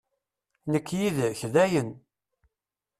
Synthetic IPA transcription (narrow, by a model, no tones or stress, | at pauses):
nəkːjiðçðæjən